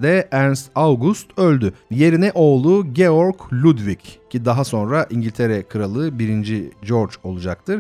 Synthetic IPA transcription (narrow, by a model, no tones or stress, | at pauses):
d̪ɛʔæɾnsavɡust̪ølʲd̪yje̞ɾinɛʔo̞ːlˠuɟeoɾklʲud̪viccid̪aɦaso̞nɾaʔiɲɟilʲt̪ʰe̞ɾɛkʰɯɾalˠɯbiɾind͡ʒid͡ʒo̞ɾt͡ʃo̞̰lˠud͡ʒak̚t̪ʰɯɾ̥